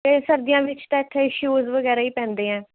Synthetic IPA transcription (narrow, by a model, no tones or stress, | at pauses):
t̪eːsəɾd̪ɪjãːʋɪt͡ʃt̪ãːɪʈ̪ʰːeːɪʃjuːzʋəɡɛːɾaːiːpɛ̃ːnd̪eːɛ̃ː